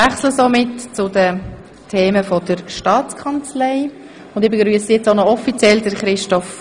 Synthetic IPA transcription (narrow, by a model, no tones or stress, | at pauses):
æχsləsomɪtt͡sʊdə | tʰeːməfɔdəɾʃtɑːt͡skʰɑnt͡sleɪ | ʊndɪbəɡɾyəsijɛt͡sonɔɔfit͡sjɛldəɾχɾɪʃtɔf